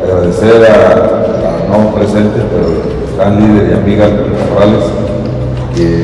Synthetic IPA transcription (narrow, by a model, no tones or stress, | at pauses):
aɣɾaðeseɾaː | nopɾesent̪epeɾo | est̪anliðeia̰miɣas | korales | ke